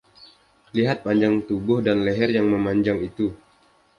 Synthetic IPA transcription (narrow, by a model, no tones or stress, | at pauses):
liɦat̪̚paɲd͡ʒaŋt̪ubʊhdanlɛɦɛrjaŋməmaɲd͡ʒaŋit̪u